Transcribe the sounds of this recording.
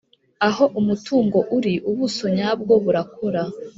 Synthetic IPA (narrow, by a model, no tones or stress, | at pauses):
aɦo̞ʔumutʰuːŋɡo̞ʔuɾiʔuβuso̞ɲab̚ɡo̞βuɾakʰoɾa